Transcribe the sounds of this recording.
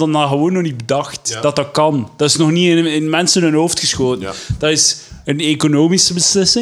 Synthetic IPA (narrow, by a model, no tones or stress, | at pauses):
dɑnaːɣəʋoːnːɔxnit̚bədɑxtd̥ɑt̚dɑt̚kɑnd̥ɑtɪsnɔxniɪnɪnmɛnsənɵnɦowftxəsxoːtənd̥ɑtɪsənekonoːmisəbəslɪsɪ